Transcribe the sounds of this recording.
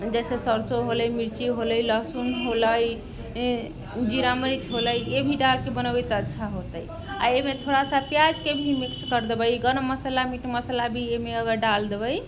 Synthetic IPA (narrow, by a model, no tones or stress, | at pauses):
d͡ʒɛsesəɾsoɦoləjmiɾt͡ʃiɦoləjləsunɦoləj | d͡ʒiɾaməɾit͡ʃʰɦoləjebʱiɖalkebənəbəjt̪ətːʃʰaɦot̪əj | a̰emet̪ʰoɽasapjad͡ʒkebʱimikskəɾd̪ebəjɡənəməsəlamiʈʰməsəlabʱiemeəɡəɾɖald̪ebəj